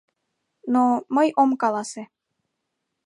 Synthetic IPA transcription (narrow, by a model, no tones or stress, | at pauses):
noməjomkɑlɑse